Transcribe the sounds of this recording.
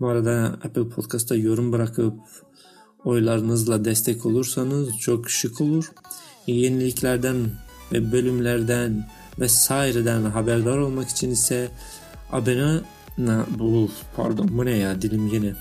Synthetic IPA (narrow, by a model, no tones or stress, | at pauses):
buaɾad̪aɛ̰pɯlʲˠpʰot̪kʰast̪ʰajo̞ɾumbɯɾakʰɯp̚ | o̞jlˠaɾɯnɯzlˠad̪ɛst̪ʰɛcʰo̞lˠuɾsanɯzt͡ʃʰo̞kʃɯkʰo̞lˠuɾjenilʲiclʲæɾd̪ænvɛbø̞lʲymlʲæɾd̪æn | vɛsaːiɾɛd̪ænɦabæɾd̪aɾo̞lˠmaki̥t͡ʃʰinisɛ | a̰bena | nabulˠpʰa̰ɾd̪onbunɛjad̪ilʲimjenɛ